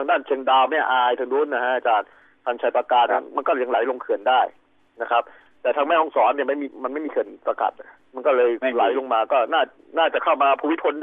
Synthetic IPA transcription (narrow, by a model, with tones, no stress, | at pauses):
t̪ʰa˧daː˥˩nt͡ɕʰe˧ŋdaː˧wmɛ˥˩ʔaː˧jt̪ʰɯ˧ŋduː˦˥˩nːa˦˧˩ha˦˥ʔa˧t͡ɕaː˧n | t̪ʰaː˧ŋt͡ɕʰa˧˩pa˧kaː˨˩t̪̚na˥˧˩ma˧nkɔː˥˩˧ja˧ŋla˩˦jlo˧ŋkʰɯ˨˩əndaː˥˩j | na˦˥kʰɾa˦˥p̚ | t̪ɛː˨˩t̪ʰa˧ŋmɛː˥˩hɔ˥˩ŋsɔː˩˦nːi˥˩ɐma˥˩jmiː˧ma˧nma˥˩jmiː˧kʰɯ˨˩ənsa˧ka̰˨˩t̪̚ | ma˧nkɔː˥˩lɤː˧jla˨˩˦jlo˧ŋmaː˧kɔː˥˩naː˥˩ | naː˥˩t͡ɕa˨˩kʰa˥˩wmaː˧pʰuː˧˩wi˦˥pʰo˧n